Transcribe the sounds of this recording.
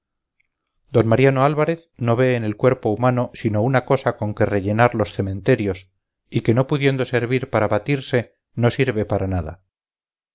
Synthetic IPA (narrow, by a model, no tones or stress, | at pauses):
d̪o̞nmaɾjano̞alβaɾe̞θno̞βe̞ːne̞lkwe̞ɾpo̞umano̞sino̞unako̞sako̞ŋke̞re̞ʝe̞naɾlo̞sθe̞mẽ̞nt̪e̞ɾjo̞s | ike̞no̞puðjend̪o̞se̞ɾβiɾpaɾaβat̪iɾse̞ | no̞siɾβe̞paɾanaða̰